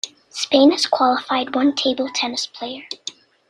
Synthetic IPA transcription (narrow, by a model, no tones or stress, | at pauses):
spẽɪ̃nɨz̥kʰw̥ɑlˠəfaɪd̚wʌ̃ntʰeɪbl̩ˠtʰɛnɨspʰl̥eɪə˞